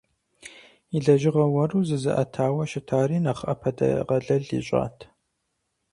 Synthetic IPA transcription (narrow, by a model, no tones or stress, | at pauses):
iɮɐʒɪʁɐwɐruːzɨzɨ̰ʔɐtʰaːwɐʃɪtʰaːɾiːnɐχɐ̰pʰɐdɐ̰ʁɐɮɐɮḭːɕʼa̰ːtʰ